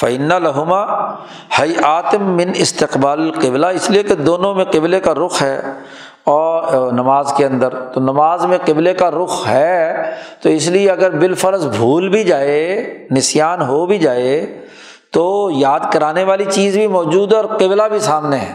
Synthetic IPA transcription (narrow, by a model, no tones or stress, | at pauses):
fɐɪnːalɐɦʊmaː | hɐjʔaːt̪ːɪ̃nɪst̪ɪqbaːlɪlqɪblaɪslieked̪oːnõmẽqɪblekaɾʊxɦɛː | ɔːnɐmaːzkeɐ̃nd̪əɾt̪onɐmaːzmẽqɪblekaɾʊxʰɦɛ | t̪oɪslieɐɡəɾbɪlfəɾzbʱuːlbʱid͡ʒaːenɪsjaːnɦobʱid͡ʒaːe | t̪oːjaːd̪kɐɾaːneʋaːlit͡ʃiːzbʱimɔːd͡ʒuːd̪ɛɔːɾqɪblabʱisaːmneɦɛ̰̃ː